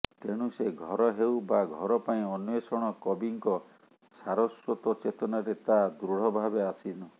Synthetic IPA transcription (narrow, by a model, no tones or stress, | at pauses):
t̪eɽ̃useɡʱɔɾɔɦewbaɡʱɔɾɔpaĩɔnwesɔɽ̃ɔkɔbiŋkɔ | saɾɔswɔt̪ɔt͡ʃet̪ɔnaɾet̪ad̪ɾuɽ̤ɔbʱabeasinɔ